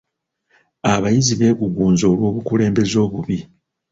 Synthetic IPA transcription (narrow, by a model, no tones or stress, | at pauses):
aβajiziβe̞kuɡuːnzo̞ːlwo̞ːβukule̞ːmbe̞zo̞ːβuβi